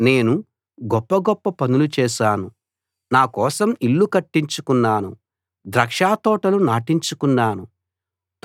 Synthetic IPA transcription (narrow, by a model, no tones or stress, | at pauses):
ne̞ːnu | ɡɔpːɐɡɔpːɐpɐnulut͡ʃɛːʃaːnu | naːkɔːsɐmilːukɐʈːiɲt͡ʃukunːaːnṵ | d̪ɾɐkʂaːt̪ɔːʈɐlunaːʈiɲt͡ʃukunːaːnu